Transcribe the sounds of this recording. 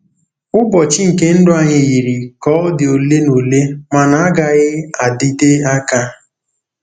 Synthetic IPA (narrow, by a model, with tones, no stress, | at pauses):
ʊ˦bɔ˨t͡ʃɪ˦ŋ̩˨ke˦n̩˦dʊ˦a˨ɲɪ˨ɣi˨ɾi˨kɔ˨˦dɪ˨o˨le˦no˨le˦ma˨na˨a˦ɡa˨ɣɪ˦a˨dɪ˦de˦a˦ka˦